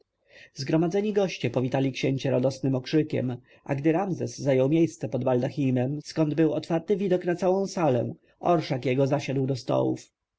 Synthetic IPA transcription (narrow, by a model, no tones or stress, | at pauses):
zɡɾɔmad̪zɛɲiɡɔɕt͡ɕɛpɔvʲit̪alʲikɕeɲt͡ɕɛɾad̪ɔsnɘmɔkʂɘkʲɛ̰m | ʔa̰ɡd̪ɘɾamzɛsːajɔwmʲjejst̪sɛpɔd̪bald̪axʲimɛmskɔnd̪bɘwɔt̪faɾt̪ɘvʲid̪ɔknat̪sawɔ̃w̃salɛ̰ | ɔɾʂakjɛɡɔzaɕad̪wd̪ɔst̪ɔ̰wṵf